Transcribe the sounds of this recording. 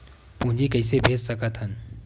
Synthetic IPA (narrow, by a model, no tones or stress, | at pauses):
pũd͡ʒikɐisebʱeːd͡ʒsəkət̪ʰɦən